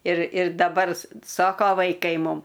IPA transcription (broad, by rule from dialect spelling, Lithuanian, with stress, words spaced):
ɪr ɪr dɐˈbɐr ˈsoːkoː ʋɐɪˈkɐɪ ˈmʊm